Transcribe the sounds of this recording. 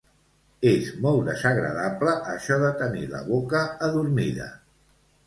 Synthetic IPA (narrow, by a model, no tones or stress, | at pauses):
ezmɔlˠd̪əzəɣɾə̰ðapləʔːʃɔðət̪ənilə̰βokəːðuɾmiðə̰